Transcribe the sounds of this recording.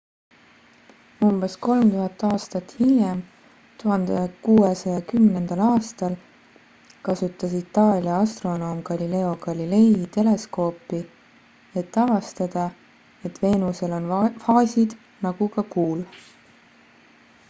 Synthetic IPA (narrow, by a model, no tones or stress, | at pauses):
umb̥e̞sko̞lmt̪uɦɑt̪ːˑɑːst̪ɑt̪ːˑhijem | t̪uɦɑnd̪̥ekuːesɑjɑkymne̞nd̪̥ɑlɑːst̪ɑl | kɑsut̪ːˑɑsit̪ːɑːlʲiɑɑst̪ro̞no̞ːmɡɑlʲile̞o̞kɑlʲile̞jt̪e̞le̞sko̞ːpːˑi | e̞t̪ːˑɑvɑst̪ɑd̪̥ɑ | e̞t̪ve̞ːnuse̞lo̞nfɑːsʲid̪̥ | nɑɡ̥ukɑkuːl